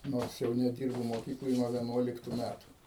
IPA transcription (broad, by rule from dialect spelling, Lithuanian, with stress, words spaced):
ˈnoːrs jɛʊ nʲɛˈdʲɪrbʊ moːˈkʲiːklˠoːj nuɔ ʋʲiɛˈnuɔlʲɪktʊ ˈmʲætʊ